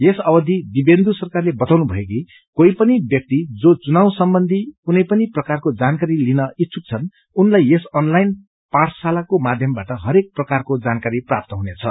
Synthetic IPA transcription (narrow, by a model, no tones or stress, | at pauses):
jesʌbʌd̪ʱid̪ibend̪usʌrkarlebʌt̪awnubʱʌek̬i | koipʌnibjʌk̚t̪id͡zot͡sunaw̃sʌmbʌnd̪ʱikunʌjpʌniprʌkarkod͡zankaɾilinʌitːt͡sʰuk̚t͡sʰʌn | unlajesʌnlajn | pãt͡sʰsalakomad̪ʱjʌmbaʈʌɦʌɾek̚prʌkarkod͡zankaɾipra̰p̚t̪ʌɦunet͡sʰʌ̰